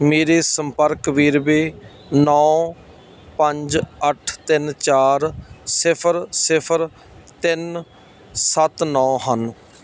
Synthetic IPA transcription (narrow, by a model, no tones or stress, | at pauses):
meːɾeːsəmpəɾkʋiːɾbeː | nɔ̃ː | pəɲd͡ʒəʈʰt̪ɪnt͡ʃaːɾsɪpʰəɾsɪpʰəɾ | t̪ɪn | sət̪nɔ̃ːɦən